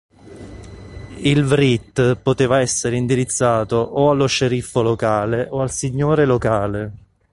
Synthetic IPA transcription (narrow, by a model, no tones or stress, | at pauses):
ilvɾit̪pot̪eːvaɛsːeɾeind̪iɾit̪sːaːt̪oʔoalːoʃeɾifːolokaːleʔoalsiɲːoːɾelokaːle